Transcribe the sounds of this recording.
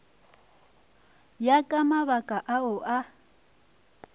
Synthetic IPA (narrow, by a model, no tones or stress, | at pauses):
jakʼamaβakʼaʔaʊʔa